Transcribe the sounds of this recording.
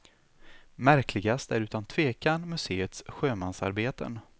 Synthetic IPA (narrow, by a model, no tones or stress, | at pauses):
mæɾklɪɡast̪æɾʉ̟ːt̪ant̪ʰv̥eːkanmɵseːət̪sɧøːmansa̰ɾbeːt̪ə̰n